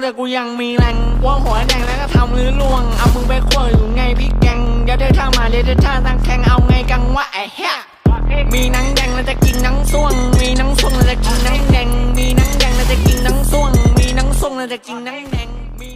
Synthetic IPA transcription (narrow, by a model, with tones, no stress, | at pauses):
t̪ɛː˧˩kuː˧ja˧ŋmiː˧lɛ˧˩ŋku˧əhu˨˩˦dɛ˧˩ŋlaː˧˥˩ka˧˩t̪ʰa˧mlɯː˦˥lu˧˩əŋʔa˧wmɯː˧ba˧˦kʰu˧˩ə˨˩juː˨˩˦ŋa˧˩jpʰi˧˩kɛ˧ŋjaː˧˩da˧˩t̪ʰaː˧˩maː˨˦li˧˦ta˧˩t̪ʰaː˧˩sa˧˥˩ŋkʰɛ˧˩ŋʔa˧wŋa˧jka˧ŋwa˧˩ʔa˨˩hɛ˦˧˥ | miː˧na˦˥ŋdɛ˧ŋna˧˥˩t͡ɕ̪ɛ˧˩ki˧nːa˨˦˥ŋsu˧˩əŋmiː˧na˧˦˥ŋsu˧˩ə˨ŋna˧˥˩t͡ɕ̪ɛ˧˩ki˧nːa˧˦˥ŋdɛ˧ŋmiː˧na˦˥ŋdɛ˧ŋna˧˥˩t͡ɕɛ˧˩ki˧nːa˦˥ŋsu˧˩əŋmiː˧na˧˦˥ŋsu˧˥˩əŋna˧˩tɛ˧˩ki˧nːa˧˦˥ŋdɛ˧ŋː˧